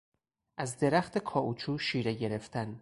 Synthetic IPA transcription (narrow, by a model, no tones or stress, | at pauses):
ʔæzd̪e̞ɾæxt̪ʰekʰɒːʔut͡ʃʰuːʃiːɾe̞ɟe̞ɾe̞ft̪ʰæn